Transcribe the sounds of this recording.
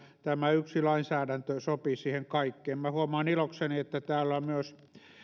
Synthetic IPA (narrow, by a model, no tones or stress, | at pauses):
t̪æmæyksilɑinsæːɾænt̪øsopisiːheŋkɑikːeːmmæhuomɑːnilokseniet̪ːæt̪æːlːæmyøs